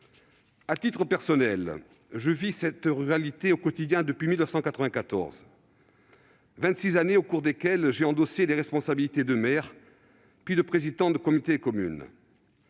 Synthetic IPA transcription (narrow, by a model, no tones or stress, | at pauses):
at̪it̪χəpɛʁsɔnɛl | ʒəvisɛt̪ʁyʁalit̪eokɔt̪id̪jɛ̃d̪əpɥimilnəfsɑ̃kat̪χəvɛ̃kat̪ɔ̰ʁz | vɛ̃nt̪sizaneokuʁd̪ekʲɛlʒeɑ̃d̪ɔseleʁɛspɔ̃sabilit̪ed̪əmɛʁ | pɥid̪əpχezid̪ɑ̃d̪əkɔmit̪ekɔmy̰n